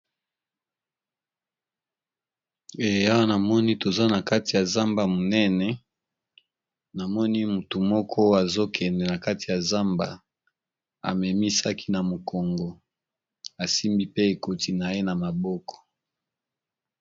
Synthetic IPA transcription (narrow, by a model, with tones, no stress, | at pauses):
e˨ja˦wa˦na˨mɔ˦ni˦to˨za˦na˨ka˦ti˨ja˨za˦mba˨mo˨nɛ˦nɛ˨ | na˨mɔ˦ni˦mu˨tu˨mɔ˦kʰɔ˦a˨zo˦kʰɛ˨ndɛ˨na˨ka˦ti˨ja˨za˦mba̰˨ | a̰˨mɛ˨mi˦sa˦kʰi̥˦na˨mo˨kɔ˨ŋɡɔ˨ | a˨si˦mbi˦pe˦e˨ko˨ti˨na˨je˦na˨ma˨bɔ˦kɔ̥˨